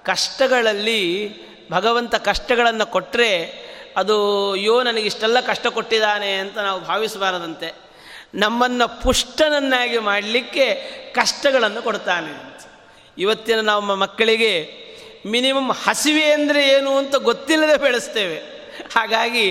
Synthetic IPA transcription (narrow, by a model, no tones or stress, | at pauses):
kɐʂʈɐɡɐɭɐlːi | bʱɐɡɐʋɐnt̪ɐkɐʂʈɐɡɐɭɐnːukoʈːɾe̞ɐd̪ujoːnɐnɐɡiʂʈɛlːɐkɐʂʈɐko̞ʈːid̪aːne̞ɐnt̪ɐnaːʋubʱaːʋisbaːɾɐd̪ɐnt̪e̞ | nɐmːɐnːɐpuʂʈɐnɐnːaːɡimaːɽlikːe̞kɐʂʈɐɡɐɭɐnːukoɽt̪aːneɐɐnt̪ɐ̥ | iʋɐt̪ːinɐnaːʋɐmːɐmɐkːɐɭiɡe̞ | minimɐmhɐsiʋeɐnd̪ɐɾe̞eːnuɐnt̪ɐɡot̪ːilːɐd̪ebeɭest̪e̞ːʋe̞ | haːɡaːɡi